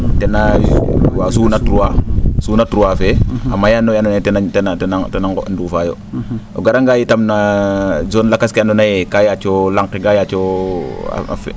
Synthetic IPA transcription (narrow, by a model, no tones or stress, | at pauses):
tɛna | wasuːnatɾuwasuːnatɾuwafɛamajanojanɔnatɛnatɛnatɛnatɛnaŋɡɔ̰ndufaːjo̰ | o̰ɡaɾaŋɡajitamnad͡ʒɔnlakaskianɔnajɛkajat͡ʃolaŋkeɡajat͡ʃo | a̰a̰fɛ̰